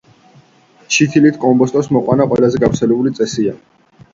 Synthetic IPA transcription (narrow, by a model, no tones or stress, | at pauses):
t͡ʃʰit̪ʰilit̪ʰkʼɔmbɔst̪ʼɔsmɔqʼwanaqʼwɛlazɛɡafɾtsʰɛlɛbulit̪sʼɛsia